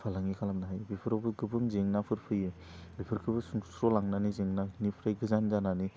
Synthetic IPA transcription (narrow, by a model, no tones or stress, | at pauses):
pʰalaŋikʰalamnaɦajbipʰɯɾɔbɯkʰɯbɯŋzeŋnapʰɯɾpʰɯjɯ | bipʰɯɾkʰɯbɯsuŋsɾɔlaŋnanizeŋnanipʰɾajɡɯzanzanani